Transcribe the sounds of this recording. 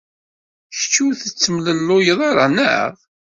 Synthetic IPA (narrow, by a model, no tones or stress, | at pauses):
çt͡ʃːuθət͡sːəmləlːʊjəðˤɑɾˤɑnə̰ʁ